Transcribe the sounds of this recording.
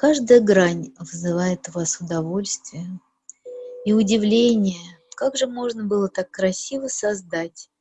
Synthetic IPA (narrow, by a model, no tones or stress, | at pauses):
kaʐd̪əjəɡɾanʲvzɨvajɪt̪ʊvasʊd̪ɐvo̞lʲst̪vʲɪjʊ | iʊdʲɪvlʲenʲɪjəkaɡʐɨmo̞ʐnəbɨlˠət̪akːɾɐsʲivəsɐzd̪atʲ